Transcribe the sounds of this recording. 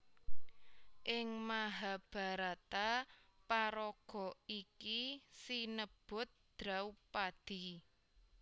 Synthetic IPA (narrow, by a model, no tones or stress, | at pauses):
ʔɪŋmaɦab̥a̤ɾat̪apaɾɔɡ̥ɔ̤ikisinəb̥ʊ̤t̪̚d̪̥ɾawpad̪̥i̤